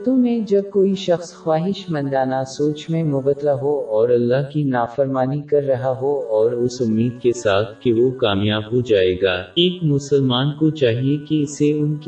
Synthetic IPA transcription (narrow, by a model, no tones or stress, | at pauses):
t̪õmẽd͡ʒɐb̚koːiʃɐxsxwaːɦɪʃmɐ̃nd̪aːnasoːt͡ʃmẽmʊbət̪laɦoɔːɾɐlːaɦkinaːfəɾmaːnikɐɾːɐɦaɦoɔːɾʊsʊmːiːd̪̚kesaːt̪ʰkeʋokaːmjaːbɦod͡ʒaːeːɡaːeːkmʊsəlmaːnkot͡ʃaːɦiekiɪseʊnk